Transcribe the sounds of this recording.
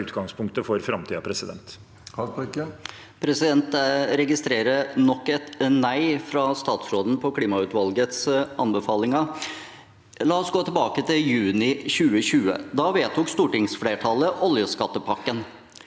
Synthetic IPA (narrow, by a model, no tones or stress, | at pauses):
ʉːt̪ɡɑŋspʰʊŋkt̪əfɔɾfɾɑmt̪ʰiːɑpʰɾɛsɪd̪ɛ̰nt̪ | pʰɾɛsɪd̪ɛnt̪ɾɛɡɪst̪ɾeːɾənɔkːɛt̪næɪfɾɑst̪ɑːt̪sɾoːd̪n̩pʰɔkʰliːmɑʉːt̪ʋɑlɡət̪sʔɑnbəfɑːlɪŋɑ | lɑːɔsɡoːt̪ʰɪlbɑːkət̪ʰɪljʉːnɪçʉːəɕʉːə̰d̪ɑʋeːt̪ʰʊːkst̪uːʈɪŋsfleːʈʰɑləʔɔljəskɑt̪ːəpʰɑkːən